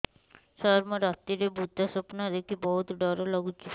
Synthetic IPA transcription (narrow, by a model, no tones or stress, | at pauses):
sɔɾməɾat̪ːiɾebʱut̪ːasɔpnaɾekibɔɦut̪ɖɔɾolɔɡut͡ʃʰi